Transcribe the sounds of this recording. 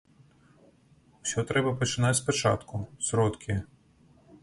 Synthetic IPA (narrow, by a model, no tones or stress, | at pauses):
sʲɔt̪ɾɛbɐpɔt͡ʃɪnɑt̪spɔt͡ʃɑ̰t̪kʊsɾɔt̪kʰʲɪ